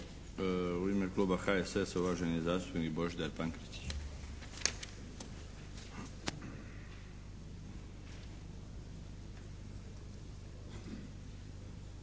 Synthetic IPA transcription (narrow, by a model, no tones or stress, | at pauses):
uimeklˠuːbaxaeseseuʋaʒenijezaːst̪upnikiboʒid̪aɾpaŋkɾit̪i̥